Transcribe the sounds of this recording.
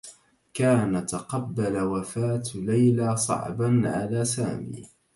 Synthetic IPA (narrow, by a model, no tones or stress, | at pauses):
kaːnat̪ɑqɑbːalawafaːt̪lajlaːsˤɑ̰ʕbanʕa̰laːsaːmḭː